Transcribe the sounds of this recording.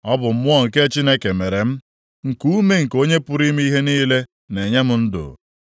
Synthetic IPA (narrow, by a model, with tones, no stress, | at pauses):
ɔ˦bʊ˨m̩˦mʊ˦ɔ˦ŋ̩˨ke˦t͡ʃi˦ne˦ke˨me˨ɾe˨m̩˦ | ŋ̩˨ku˦me˦ŋ̩˨ko˦ɲe˦pʊ˦ɾi˦m˦i˦ɦe˦niː˦le˦ | ne˨ɲe˦mʊ˦n̩˦dʊ̰˨